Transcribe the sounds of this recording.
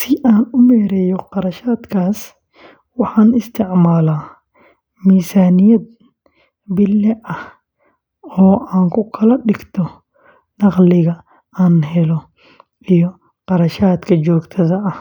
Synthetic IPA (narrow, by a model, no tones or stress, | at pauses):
sɪʔaːnʊmɛːɾɛjɔqɑɾɐʃaːd̪kʰaːs | wɑħɑːnɪst̪ʰɪʕmaːlaː | miːsaːnɪjɐd̪̚ | bɪlːɛʔɐh | ɔːʔaːŋkʰʊkʰɐlɐɗɪɡt̪ʰɔ | nɑqlɪɣɐ | aːnɦɛlɔ | ʔijɔ | qɑɾɐʃaːd̪kʰɐt͡ʃɔːɡt̪ʰɐðɐɐh